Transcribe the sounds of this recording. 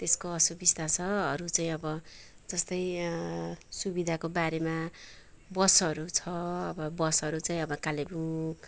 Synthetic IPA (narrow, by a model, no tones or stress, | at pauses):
t̪eskoʌsubist̪asʰʌɦʌɾut͡saĩʌbʌ | d͡zʌst̪ʌj | subid̪ʱakobaɾema | bʌsɦʌɾut͡sʰʌʌbʌbʌsɦʌɾut͡saĩʌbʌkalebuŋ